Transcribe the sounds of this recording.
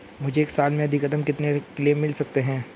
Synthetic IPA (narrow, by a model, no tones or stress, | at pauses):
mʊd͡ʒʱeːksaːlmẽɐd̪ʱikɐd̪əmkɪt̪nekleːmːɪlsɐk̚t̪eɦɛ̃ː